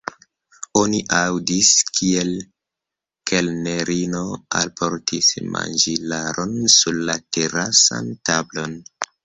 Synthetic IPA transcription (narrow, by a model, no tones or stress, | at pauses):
o̞niʔawdiskʰiel | kʰelne̞ɾʔino̞a̰lpʰo̞ɾtʰisma̰nd͡ʒilaɾʔo̞nsuɾlate̞ɾasa̰ntablo̞n